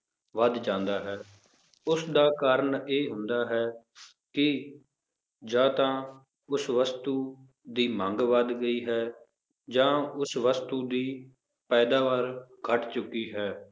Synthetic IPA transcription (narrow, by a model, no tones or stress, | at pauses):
ʋəd̪d͡ʒãːnd̪aːɦɛː | ʊsd̪aːkaːɾəɳeːɦʊ̃nd̪aːɦɛː | kɪ | d͡ʒãːt̪ãː | ʊsʋəst̪uː | d̪iːmə̃ŋɡʋəd̪ɡəiːɦɛː | d͡ʒãːʊsʋəst̪uːd̪iː | pɛːd̪aːʋaːɾkʰəʈt͡ʃʊkːiːɦɛː